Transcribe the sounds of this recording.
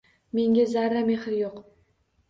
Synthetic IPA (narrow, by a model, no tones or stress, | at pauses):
me̞ŋʲazaɾːameχɪɾjoq